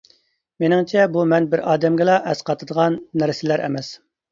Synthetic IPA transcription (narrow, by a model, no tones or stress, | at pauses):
menɪŋt͡ʃʰɛbumɛnbɪɾʔɑːd̪ɛmɡʲɪlɑʔɛsqʰɑt̪ʰəd̪əʁɑnːæɾsɪlæɾʔɛ̰mɛs